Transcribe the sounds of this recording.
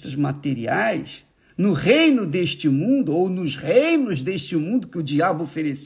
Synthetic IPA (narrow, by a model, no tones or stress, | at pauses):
t̪ɐzmat̪eɾḭajs | nʊʁejnʊd̪eʃt͡ʃɪmũnd̪ʊownʊzʁejnʊzd̪eʃt͡ʃɪmũnd̪ʊkɪʊd͡ʒiabʊofeɾes